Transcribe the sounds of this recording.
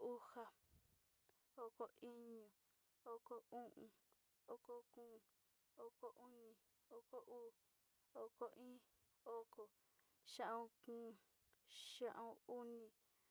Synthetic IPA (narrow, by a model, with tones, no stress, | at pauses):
u˦ha˧ | o˨ko˧ʔi˦ɲũ˨ | o˦˧ko˧ũ˦ʔũ˧ | o˧˨ko˧kũː˦˨ | o˧ko˧ʔu˦nĩ˨ | o˧˨ko˦ʔuː˦ | o˨ko˧ʔĩː˦ | o˦ko˨ | ʃã˦ʔõ˧kũː˦˧ | ʃã˦ʔõ˦˧u˦nĩ˧